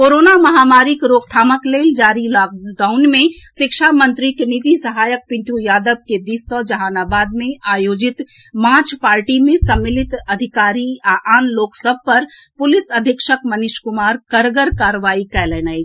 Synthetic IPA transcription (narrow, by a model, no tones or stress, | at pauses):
koːɾoːnamɐɦaːmaːɾikɾoːk̚t̪ʰaːməkleːld͡ʒaːɾilɔk̚ɖaːʊnmẽʃɪkʃamə̃nt̪ɾikenid͡ʒisəɦaːjək̚pɪ̃ɳʈ̪ujaːd̪əb̚ked̪isɔd͡ʒɐɦaːnaːbaːd̪mẽʔaːjoːd͡ʒɪt̪mãːt͡ʃpaːɾʈimẽsəmːɪlɪt̪ɐd̪ʱɪkaːɾiaʔaːnloːksəb̚ʱpɐɾpʊlɪsəd̪ʱəkʃəkmənɪʃkʊmaːɾkəɾɡəɾkaːɾʋaːikɛlɛːnai